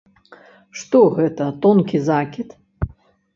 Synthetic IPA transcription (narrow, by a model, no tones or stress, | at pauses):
ʂt̪ɔɣɛt̪ɐt̪ɔnkʲizakʲit̪